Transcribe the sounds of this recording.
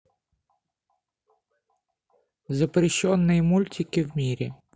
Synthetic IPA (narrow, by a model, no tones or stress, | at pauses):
zɐpɾɪʃːɔnːɪjmulʲtʲikɪwmʲiɾʲḭ